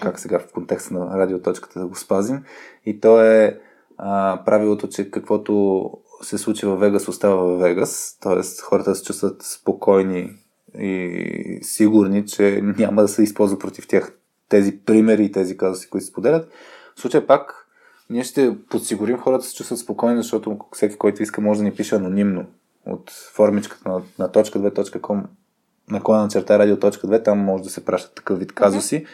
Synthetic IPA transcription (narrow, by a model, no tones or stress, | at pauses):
kaksɛɡafkont̪ɛkst̪nɐɾad̪iot̪ɔt͡ʃkə̥t̪əd̪ɐɡospazimit̪ɔɛ | əpɾʔavilˠot̪ot͡ʃɛkəkvɔt̪osɛslˠut͡ʃivɐvːɛɡəsost̪avəvɐvːɛɡəst̪ɔɛ̰st̪xɔɾət̪əsɛ̥t͡ʃust̪vət̪spokʰɔjni | ḭ | siɡʊɾnit͡ʃɛnʲaməd̪ɐsɛispɔlˠzvət̪pɾot̪i̥ft̪ʲjax | t̪ɛzipɾimɛɾiːt̪ɛzikazʊsi̥kʊit̪sɛspod̪ɛlʲət̪ | fsˠut͡ʃəjɛpak | niɛʃt̪ɛpot̪siɡʊɾimxɔɾət̪ə̥sɛ̥t͡ʃust̪vət̪spokɔjnizɐʃt̪ɔt̪ʊfsɛki̥kɔjt̪ʊiskəmɔʒɛd̪ɐnipiʃɛɐnonimno | o̰t̪fɔɾmit͡ʃkə̥t̪ənnɐt̪ɔt͡ʃkəd̪vɛt̪ɔt͡ʃkəkʰɔm | nɐkɔjad̪ɐnɐt͡ʃɛɾt̪aɛɾad̪iot̪ːɔt͡ʃkəd̪vɛt̪amːɔʒɛd̪ɐsɛpɾʔaʃt̪ə̥t̪ːɐ̥kɤfvit̪kazosi